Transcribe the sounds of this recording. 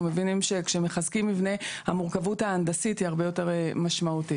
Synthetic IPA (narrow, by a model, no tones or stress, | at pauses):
mevinimʃe̞kʃeme̞χazkimːivne̞hamuʁkavuthaːnd̪asithiaʁbe̞jo̞te̞ʁmaʃmauti